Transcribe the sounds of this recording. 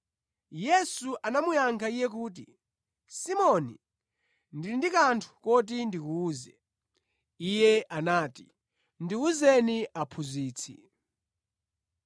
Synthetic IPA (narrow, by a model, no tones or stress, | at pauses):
jɛsuʔanamujaŋkʰaijɛkuːt̬i | simɔnḭ | ndilindikantʰu̥kɔt̬indikuːzɛ̰ | ijɛanaːti | ndiuzɛniapʰuziːt͡sʰḭ